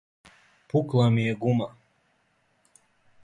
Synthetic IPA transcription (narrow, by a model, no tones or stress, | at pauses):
puklˠamijeɡuma